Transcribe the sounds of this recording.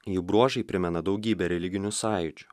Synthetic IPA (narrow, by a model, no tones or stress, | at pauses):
juːbɾuɔʒɐɪpʲɾʲɪmʲɛnɐd̪ɒʊɡʲiːbʲɛɾʲɛlʲɪɡʲɪnʲʊsɑːjʊd͡ʒʲʊ